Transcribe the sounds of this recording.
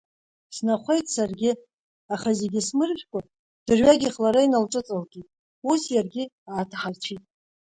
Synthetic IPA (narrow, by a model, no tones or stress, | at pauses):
snaχʷejtʼsarɡʲɪ | aχazeɡʲɪsmɨrʒʲʷᶣkʷʼa | d̥ɨrɥaɡʲiχlaɾainalʈ͡ʂʼɨt͡sʼalɡʲʼitʼ | usjarɡʲɪ | aːtʰaħart͡ʃʷʰitʼ